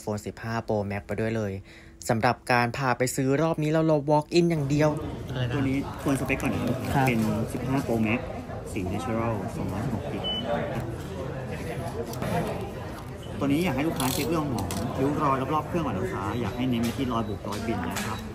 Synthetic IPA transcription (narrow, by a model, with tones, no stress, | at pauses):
foː˧nsi˨˩p̚haː˥˩poː˧mɛ˦˥k̚pa˧jdu˥˩əjlɤː˧j | sa˩˦mɾa˨˩p̚kaː˧npʰaː˨˩pa˧jsɯː˦˥ɾɔː˥˩p̚niː˦˥la˧˩wlo˧˩wɔː˦˥k̚ʔi˥˩njaː˨˩ŋdi˧əw̪u˧niː˦˥kʰu˧ənsa˧pe˦˥kːɔː˨˩na˨˦˥a˦pe˧nsi˨˩p̚ɦaː˥˩poː˧mɛ˦˥t̚ | siː˨˩na˦˥t͡ɕʰu˧ɾa˥˩lsɔː˩˦ŋɔ˦˥˩ho˨˩k̚ki˨˩t̪̚ːkʰa˥˩ | t̪u˧niː˦˥jaː˨˩k̚a˥˩jlu˥˩kʰːaː˦˥t͡ɕʰe˦˥t̪̚ɾɯ˥˩əŋkʰɔː˩˦ŋʔʰa˧ju˦˥ɾɔː˧jɾa˦˥p̚ɾlɔː˥˩p̚ʰɯ˥˩ŋbaː˨˩luː˦˥kʰaː˦˥jaː˨˩k̚ha˥˩jne˧˥mi˧˥˩t̪ʰiː˥˩lɔː˧jbuː˨˩k̚ɾɔː˧jbi˨˩nna̰˦˥kʰɾa˦˥p̚